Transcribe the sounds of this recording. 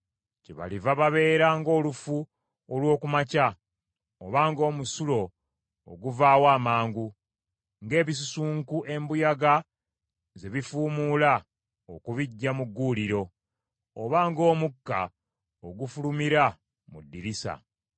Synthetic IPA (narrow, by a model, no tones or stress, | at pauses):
ceβa̰livaβaβe̞ːɾaŋɡo̞ːlufu | olwo̞ːkumaca | oβaːŋɡo̞ːmusulo̞̰ː | ɡuvaːwaːmaːŋɡu | ŋɡe̞ːβis̬usuːŋkuʔe̞mbujaɡa | ze̞βifuːmuːla | okuβiɟːamuɡːuːliɾo̞ | oβaːŋɡo̞ːmukːa̰ | oɡufulumiɾa | mudːiɾisa̰